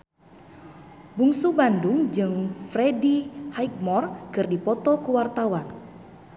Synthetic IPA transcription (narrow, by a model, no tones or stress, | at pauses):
buŋsubandʊŋd͡ʒɨŋfɾedihajk̚mɔrkɨrdipɔt̪ɔkuwart̪awan